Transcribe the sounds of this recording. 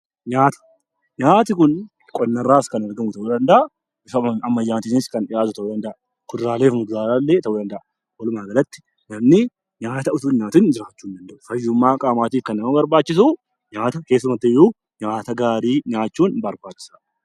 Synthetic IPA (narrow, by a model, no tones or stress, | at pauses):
ɲaːt̪ɐ̥ | ɲaːt̪ɪkʊn | kʼɔnːɐrːaːskɐnɐɾɡɐmʊt̪ɐʔuːd̪ɐnd̪ɐʔɐ | ɪsɐmːɐjːaːt̪ɪsnɪskɐnᶑɪjaːt̪ʊt̪ɐʔuːd̪ɐnd̪ɐʔɐ | kʊdɾaːleːfmʊd̪ɡaːlalːeːt̪ɐʔuːd̪ɐnd̪ɐʔɐ | wɐlʊmaːɡɐlɐt̪ːɪ̥ | nɐmnɪ | ɲaːt̪ɐʔʊt̪uːnɲaːt̪ɪnd͡ʒɪɾaːt͡ʃːuːnd̪ɐnd̪ɐʔʊ̥fɐjːʊmːaːkʼaːmaːt̪iːfkɐnːɐmɐbɐɾbaːt͡ʃːɪsu | ɲaːt̪ɐke̞ːs̬ːʊmɐt̪ːɪjːuː | ɲaːt̪ɐɡaːɾiːɲaːt͡ʃːuːnbɐɾbaːt͡ʃːɪ̥sḁ